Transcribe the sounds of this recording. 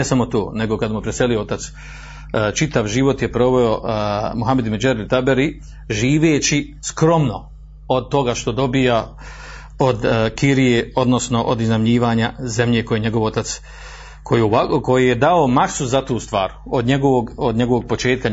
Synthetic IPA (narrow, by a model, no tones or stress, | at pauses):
esamo̞t̪o̰ːne̞ɡo̞kad̪mupɾese̞lio̞ot̪at̪s | t͡ʃit̪aʋʒiʋo̞t̪jepɾo̞ʋe̞omuɦamed̪med͡ʒaɾilt̪abeɾi | ʒiːʋeːt͡ɕi | skɾo̞mno̞ | od̪̚t̪o̞ɡaʃt̪o̞d̪o̞bija | o̞d̪kiɾijeo̞d̪no̞sno̞ʔod̪iznamɲiːʋaːɲaze̞mʎe̞kojeɲeɡo̞ʋo̞t̪at̪s | kʰojako̞jijed̪aomaksuzat̪uːst̪ʋa̰ːɾ | od̪ɲeɡoʋoɡod̪ɲe̞ɡo̞ʋo̞ɡ̚po̞t͡ʃe̞ːt̪̚ka